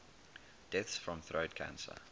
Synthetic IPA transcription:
d̥ɛθsfɹɔ̃mθɹʔəʊd̚kʰã̰nsə̰

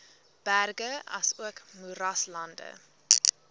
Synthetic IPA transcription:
b̥ærɡəɐ̰suəkmuɾɐslɐndə̰

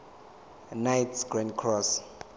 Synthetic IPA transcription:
najtsɡ̥ɹɛnkʰrɔs

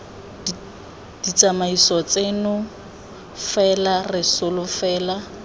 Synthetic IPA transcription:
d̥it͡sʼamaisɔt͡senʊ | fɛlarɪsʊlʊfɛːla

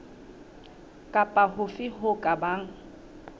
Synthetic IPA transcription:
kʼapʼaɦʊfɪɦʊkʼabaːŋ̩

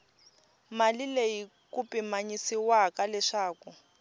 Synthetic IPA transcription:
malilei | kupimaɲisiwakalɛʂaːku

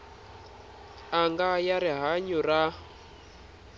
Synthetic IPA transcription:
aŋɡajaɾiɦaɲura

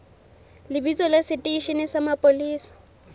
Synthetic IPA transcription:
lɪbit͡sʼɔlasɪtʼiiʃenɪsamapʼoliːsḁ

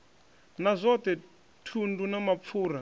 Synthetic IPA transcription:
nazʷɔt̪ɛ | tʰundunamap̪fʰuːɾa

